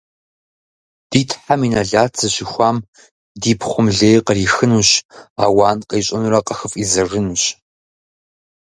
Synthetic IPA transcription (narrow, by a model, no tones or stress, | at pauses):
d̥iːtʰħaminɐɮaːt͡sʰɨɕɪxʷaːm | diːpʰχʷʊmɮeːjqəriːxɨnuɕa̰ːwaːnqʼeːɕʷʼɐnuɾɐqɐxɨfizɐrɨnuːɕ